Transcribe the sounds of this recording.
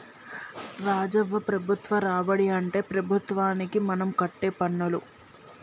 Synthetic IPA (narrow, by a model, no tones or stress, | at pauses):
ɾaːd͡ʒɐʋːɐpɾɐbʱut̪ʋɐɾaːʋɐɽiɐɳʈe̞ːpɾɐbʱut̪ʋaːnikimɐnɐmkɐʈːeːpɐɳːulu